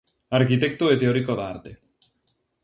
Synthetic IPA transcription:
aɾkit̪ek̚t̪oet̪eoɾikoðaaɾt̪e

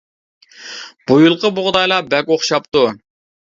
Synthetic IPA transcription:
b̥ujulˠqəboʁd̪ɑjlˠɑbɛkʲoχʃɑp̚t̪u

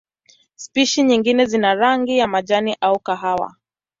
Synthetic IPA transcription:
spiʃiɲiŋɡinɛzinaɾaŋɡijamaʄaniʔaukaɦawa̰

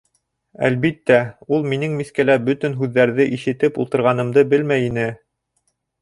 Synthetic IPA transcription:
æ̰lβit̪ːæulˠminɘŋmiskælæbɵt̪ɘnɦʉðːæɾðɘʔiʃɘ̆t̪ɘpṵlˠt̪ɤ̆ɾʁɑnɤ̆md̪ɤbɘlmæjinɘ

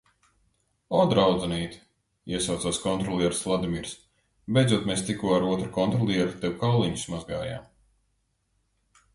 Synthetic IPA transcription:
ɔd̪ɾawd̪zɛniːt̪ | iɛsawt̪saːskɔnt̪ɾɔlˠɛɾslˠad̪imʲiːɾs | bʲɛjdzuɔt̪meːst̪ikuɔaɾuɔt̪ɾukɔnt̪ɾɔlˠʲiɛɾut̪ɛwkawlˠiɲu̥smazɡaːja̰ːm

